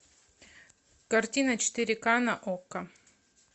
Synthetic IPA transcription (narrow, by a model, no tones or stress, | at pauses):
kɐrt̪ʲinɐt͡ɕɪ̥t̪ɨɾʲɪkanaʔokːɐ